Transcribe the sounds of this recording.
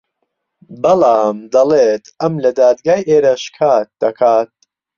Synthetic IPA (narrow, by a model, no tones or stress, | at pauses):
bɐlaːmd̪ɐleːt̪ʰɐmlɐd̪aːd̪ɡaːjʔeːɾɐʃkʰaːt̪̚d̪̥ɐkʰaːt̪̚